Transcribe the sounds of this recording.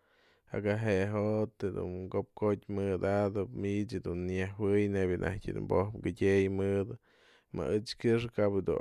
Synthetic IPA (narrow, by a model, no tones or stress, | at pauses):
a̰ɡaɦeɦot̪d̪ṵnkop̚kotʲmɨd̪ad̪ɨpmiʔt͡ʃd̪unːjehwɨjnebjɨnʔa̰htʲid̪ṵmbohpɡɨdʲejmɨd̪ɨ | ma̰ɨt͡ʃkɨʂ̬ɨkabɨd̪ṵ